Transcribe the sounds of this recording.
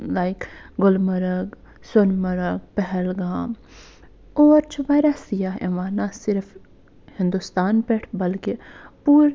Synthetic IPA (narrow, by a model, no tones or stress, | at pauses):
laɪkɡʊlmɐɾəɡ | sʊnmɐɾəɡpɛɦɛlɡaːm | ɔːɾt͡ʃʰʋajɾɐsijaḛʋaːnasɪɾf | hɪ̃nd̪ust̪aːnpɛʈʰbɐlkepuːɾ